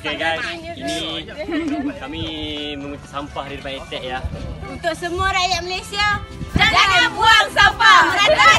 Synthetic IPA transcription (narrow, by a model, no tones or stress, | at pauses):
okeɡajsini | kamiməmut̪asampahadirbait̪ɛʔjaunt̪ʊʔsəmuaɾajaʔməlesiaaaapuaŋsampaa